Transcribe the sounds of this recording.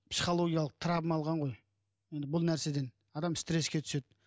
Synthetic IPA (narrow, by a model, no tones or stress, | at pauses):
psi̥χo̞lˠo̞ɡʲijɑlˠəqt̪ʰɾɑbəmɑlˠʁɑɴʁo̞j | je̞nd̪ɪbʊlˠnæɾse̞d̪e̞n | ɑd̪ɑmst̪ɾe̞skʲe̞t̪ʰʏ̥se̞d̪ɪ